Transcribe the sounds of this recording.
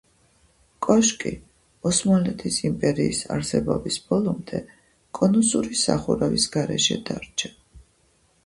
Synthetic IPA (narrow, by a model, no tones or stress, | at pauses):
kʼɔʃkʼḭ | ɔsmalɛt̪ʰisimpʼɛɾiːsa̰ɾsɛbɔbisb̥ɔlˠɔmd̪ɛ | kʼɔnusuɾisa̰χuɾɛvisɡ̥aɾɛʃɛd̪̥aɾt͡ʃʰɛ̥